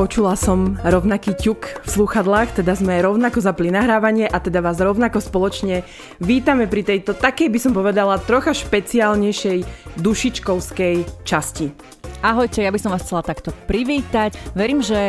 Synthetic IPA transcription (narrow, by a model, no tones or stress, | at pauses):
pɔt͡ʃulasɔmɾɔʊnakiːcukfsluxad̪laːxt̪ɛd̪azmɛajɾɔʊnakɔzaplinaɦɾaːʋaɲɪɛʔat̪ɛd̪aʋaːzɾɔʊnakɔspɔlɔt͡ʃɲɛ | ʋiːt̪amɛpɾit̪ɛjt̪ɔt̪akɛjbisɔmpɔʋɛd̪alat̪ɾɔxaʃpɛt͡siaːlɲɛjʃɛjd̪uʃit͡ʃkɔʊskɛjt͡ʃasci | aɦɔjcɛjabisɔmʋaːsxt͡sɛlat̪akt̪ɔpɾiʋiːt̪acʋɛɾiːmʒɛ